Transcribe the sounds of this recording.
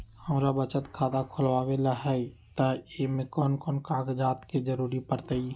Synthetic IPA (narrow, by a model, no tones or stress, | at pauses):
həmɾabət͡ʃət̪kʰaːt̪akʰʊlʋaːwelaɦɛit̪aemẽkɔːnkɔːnkaːkd͡ʒaːt̪ked͡ʒəɾuːɾipəɾt̪əi